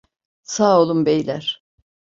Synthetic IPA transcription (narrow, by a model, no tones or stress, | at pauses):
saːo̞lˠumbejlʲæɾ̥